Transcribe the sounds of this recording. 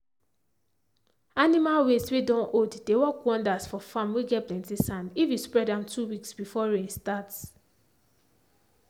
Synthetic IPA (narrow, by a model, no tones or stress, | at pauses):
animalweswedɔ̃nʔodd̥ewɔkwɔ̃ndasfɔfãmweɡɛtplɛ̃ntisãmifjispɹɛdãmtʰuwiksbifɔɹestat